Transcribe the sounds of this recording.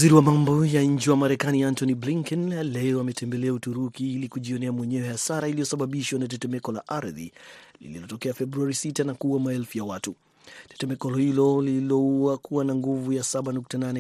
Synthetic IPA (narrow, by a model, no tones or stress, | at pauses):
wziɾiwamambɔjaɲ̩d͡ʒiwamaɾɛkaniantɔnibliŋkɛnlɛɔamɛtɛmbɛlɛautuɾukiilikuʄiɔnɛamwɛɲɛwɛhasaɾailiɔsaɓaɓiʃwanatɛtɛmɛkɔla̰ʔaɾðḭlḭlilɔtɔkɛafɛbɾuaɾisitanakuwamaɛlfujawatu | tɛ̥tɛmɛkɔlɔhilɔlilɔuakuwanaŋɡuvujasaɓanuk̚tananɛ